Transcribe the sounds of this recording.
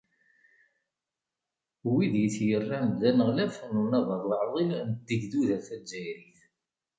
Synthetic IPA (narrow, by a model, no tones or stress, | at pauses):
wiðjiθjərːand̪ænəʁlæfnunɑðˤəðˤləʕðˤilnd̪əʝd̪uðæθæd͡ʒːæjɾiθ